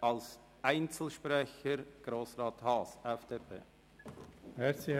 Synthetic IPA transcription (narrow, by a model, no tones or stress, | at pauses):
ɑls | aɪnt͡sl̩ʃprɛçəɾɡ̥ɾoːsrɑːt̪hɑːsɛfd̥eːpʰḛː | mɛɾt͡si